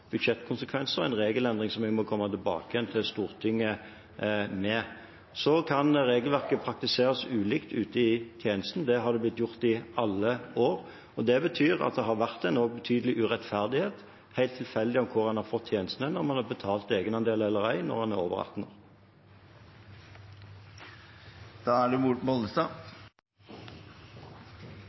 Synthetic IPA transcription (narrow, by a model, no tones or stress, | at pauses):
b̥ʉd̪ʃɛt̪ːkʰʊnsəkʰʋɛnsəʁɛ̰ɪnʁeːɡəlɛnd̪ʁɪŋsɔmʋɪmɔkʰɔmːɑt̪ʰɪlbɑ̰ːkəjɛnt̪ʰɪlst̪uːʁt̪ʰɪŋːə | mɛ | sɔkʰɑnʁeːɡəlʋæʁkəpʰʁɑk̚t̪ɪseːʁəsʉːlɪkt̪ʉːt̪əɪt̪ʰjeːnəst̪n̩d̪ɛɦɑʁd̪ɛblɪt̪ːjʊʁt̪ɪɑlːəoːʁ | ɔd̪ɛbət̪ʰyːʁɑ̰t̪̚d̪ɛɦɑʁʋæʁt̪æɪnɔɡ̚bət̪ʰyːd̪l̩ɪʔʉʁɛt̪fæʁd̪ɪheːt̪ | hæɪlt̪ʰːɪlfɛld̪ɪɔmkʰʊʁɑnhɑʁfɔt̪ʰːjeːnəst̪n̩ənɔʁmɑnhɑʁbət̪ʰɑːlt̪eːɡənɑnd̪eːlɛləʁæɪnɔ̰ʁɑnæʁo̰ːʋə̰ʁɑ̰t̪nəʁ | d̪̥ɑːæɖʉmuʈmɔləst̪ɑ